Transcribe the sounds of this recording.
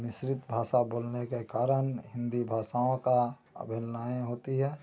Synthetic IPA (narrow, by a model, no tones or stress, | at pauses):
mɪsɾɪt̪bʱaːsaboːlnekekaːɾənɦɪ̃nd̪ibʱaːʃaːõka | ə̰bʱɪlnaːẽɦoːt̪iɦɛː